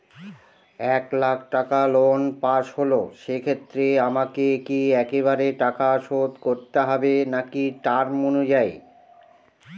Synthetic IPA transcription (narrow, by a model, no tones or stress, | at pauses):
ɛklakʰʈakalonpaʃɦoloʃekʰet̪ːɾeamakekiɛkeβaɾeʈakaʃod̪koɾt̪eɦɔbenakiʈaɾmonud͡ʑae